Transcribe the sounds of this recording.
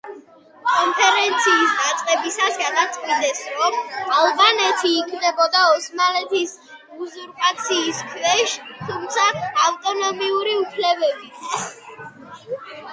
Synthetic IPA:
kʼɔnpʰɛɾɛnt̪sʰiːsd̪at̪sʼqʼɛbisasɡad̪at̪sʼqʼid̪ɛsɾɔmalˠbanɛt̪ʰiːkʰnɛbɔd̪aɔsmalɛt̪ʰis | uzuɾpʼat̪sʰiːskʰvɛʃt̪ʰumt̪sʰaːft̪ʼɔnɔmiuɾiupʰlɛbɛbi

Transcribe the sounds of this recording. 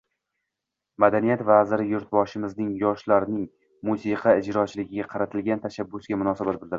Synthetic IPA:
mad̪anijat̪vazɪɾɪjʊɾt̪̚bɒʃɪmɪznɪŋjɒʃlaɾnɪŋ | musiqʰɑɪd͡ʒɾɒt͡ʃʰlɪɡʲɪɡʲaqʰɑɾat̪ʰɪlɡʲant̪ʰaʃabːʊsɡʲamʊnɒsabat̪̚bɪld̪ɪɾɪ

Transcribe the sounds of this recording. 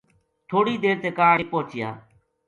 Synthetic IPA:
t̪ʰoːɽiːd̪eːɾt̪eːkaːeːpoːt͡ʃɪja̰ː

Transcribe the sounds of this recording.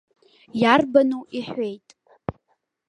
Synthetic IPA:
jarbanuiħʷe̞jtʼ

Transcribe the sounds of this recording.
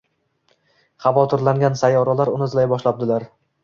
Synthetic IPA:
χɑvɒt̪ʰɪɾlaŋɡʲansajɒɾalaɾʊnɪzlajbɒʃlap̚d̪ɪlaɾ

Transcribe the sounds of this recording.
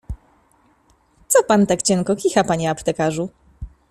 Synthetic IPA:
t̪sɔpant̪akt͡ɕɛŋkɔkʲixapaɲɛapt̪ɛkaʐu

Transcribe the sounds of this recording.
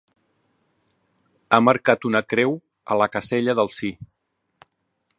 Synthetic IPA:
aməɾkat̪unəkɾɛw | ə̰ləkəseʎəðəlˠsi

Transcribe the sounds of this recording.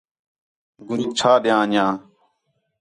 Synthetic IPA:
ɡʊɾĩːt͡ʃʰaːɗɪjãːɲjãː

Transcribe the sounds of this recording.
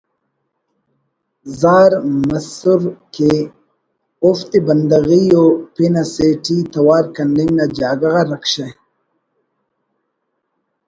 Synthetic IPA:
zaːɾmɐsuɾke | uft̪ibɐnd̪ɐɣijopinaseːʈit̪ɐwaːɾkɐnɖiŋɡnad͡ʑaːɡɐɣaɾɐkɕɐ

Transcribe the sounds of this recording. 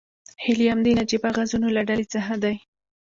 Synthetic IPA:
hɪlijamd̪enad͡ʒibaɣazunolaɖalet͡səxad̪aj

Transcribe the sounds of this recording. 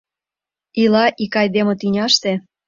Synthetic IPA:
ilɑʔikɑjd̪emŏt̪ynʲɑʃt̪e

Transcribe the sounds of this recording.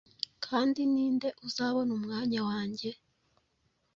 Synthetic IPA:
kʰaːndiniːnde̞ʔuzaːβo̞numŋaːɲawaːɲɟe̞

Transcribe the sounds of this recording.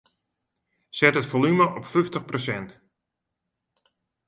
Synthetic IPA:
sɛtətfolyməʔɔpfyftəχprosɛnt

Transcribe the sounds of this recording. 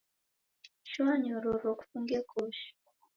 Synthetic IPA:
ʃwaɲoɾoɾoku̥fuŋɡekʰoʃ

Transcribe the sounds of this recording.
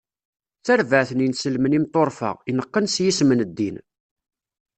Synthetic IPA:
t͡sæɾvəʕθəninsəlmənimt̪ˤoɾˤfə̰ʁinəqːənsjismənəd̪ːin

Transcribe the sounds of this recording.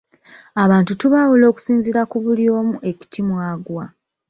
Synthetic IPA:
aβaːntutuβaːwulo̞ːku̥siːnziɾakuβuljo̞ːmuʔe̞ci̥tʰimwaːɡwa

